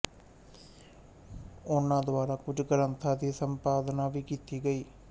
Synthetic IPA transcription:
oɳːaːd̪ʋaːɾɐkuɾuɡɐɾɐnt̪ʰaːd̪iɐsɐmpaːd̪ɐnaʋiɡit̪ːiɡɐji

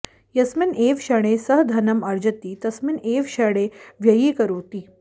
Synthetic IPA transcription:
jɐsmineːʋʃɐɽ̃esɐɦd̪ʱɐnɐmɐɾd͡ʒɐt̪iːt̪ɐsmineːʋʃɐɽ̃eʋjɐjiːkɐɾoːt̪iː

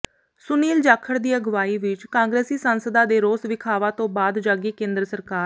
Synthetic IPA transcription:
sʊniːld͡ʒaːkʰːəɾd̪iːaɡʊʋaːiːʋɪt͡ʃkãːŋɡɾɛːsiːsənsəd̪aːd̪eːɾoːsʋɪkʰaːʋãːt̪õːbaːd̪d͡ʒaːɡiːkẽːnd̪ɾəsəɾkaː

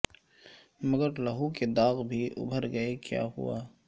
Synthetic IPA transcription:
mɐɡəɾlɐɦuked̪aːɣbʱiʔʊ̰bʱəɾɡɐekja̰ːɦṵa̰ː

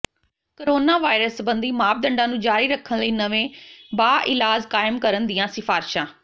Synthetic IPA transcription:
koɾoːnaːʋaːɪɾəsbənd̪iːmaːb̚d̪əɳɖãːnũːd͡ʒaːɾiːɾəkʰːənləiːnəʋẽːbaːʔɪlaːd͡ʒkaːɪmkəɾənd̪ɪjãːsɪfʰaːɾʃãː

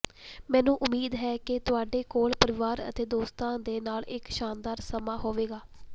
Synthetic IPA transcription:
mɛ̃ːnũːʔʊmːiːd̪ɦɛːkɪt̪ʊaːɖeːkoːɭpəɾɪʋaːɾə̰t̪eːd̪oːst̪ãːd̪eːnaːlɪkʃaːnd̪aːɾsəmaːɦoːʋeːɡaː

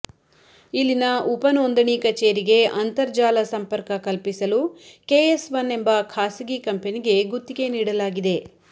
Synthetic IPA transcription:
ilːinɐupɐnoːnd̪ɐɳikɐt͡ʃeːɾiɡe̞ɐnt̪ɐɾd͡ʒaːlɐsɐmpɐɾkɐkɐlpisɐlukeːesʋɐnːe̞mbɐkʰaːsiɡikɐmpeniɡe̞ɡut̪ːiɡe̞niːɽɐlaːɡid̪e̞

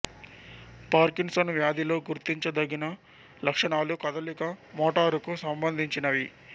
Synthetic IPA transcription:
paːɾkiŋsɐnʋjaːd̪ʱilo̞ːɡuɾt̪iɲt͡ʃɐd̪ɐɡinɐ | lɐkʂɐɳaːlukɐd̪ɐlikɐmɔːʈaːɾukusɐmbɐnd̪ʱiɲt͡ʃinɐʋi

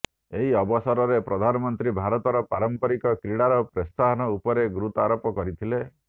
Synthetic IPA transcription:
eɦiɔbɔsɔɾɔɾepɾɔd̪ʱanɔmɔnt̪ɾibʱaɾɔt̪ɔɾɔpaɾɔmpɔɾikɔkɾiɽaɾɔpɾɔst̪aɦɔnɔupɔɾeɡɾut̪ɔaɾopɔkɔɾit̪ʰile

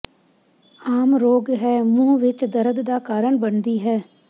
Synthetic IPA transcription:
aːmɾoːɡɦɛːmũːʋɪt͡ʃd̪əɾəd̪d̪aːkaːɾəɳbənd̪iːɦɛː

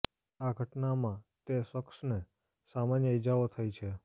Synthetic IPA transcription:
aɡʱəʈnamãt̪eʃəksne | samanjəid͡ʒaot̪ʰəjt͡ʃʰe

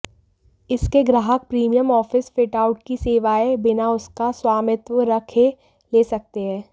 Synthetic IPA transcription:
ɪskeɡɾaːɦək̚pɾiːmijəmɔːfɪsfɪʈaːʊʈkiseːʋaːebɪnaʊskaswaːmɪt̪wəɾɐkʰe | leːsɐk̚t̪eɦɛ̃ː

